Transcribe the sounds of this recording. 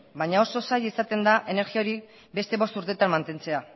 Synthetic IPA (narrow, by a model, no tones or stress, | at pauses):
baɲao̞so̞sajisat̪e̞nd̪aʔe̞ne̞ɾɣio̞ɾi | be̞st̪e̞βo̞st̪uɾt̪e̞t̪anmant̪e̞nt͡se̞a